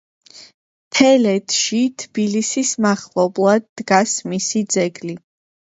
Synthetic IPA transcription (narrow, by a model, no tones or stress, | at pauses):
t̪ʰɛlɛt̪ʰʃit̪ʰb̥ilisismaχlɔblˠad̪̚ːɡasmisid̪zɛɡli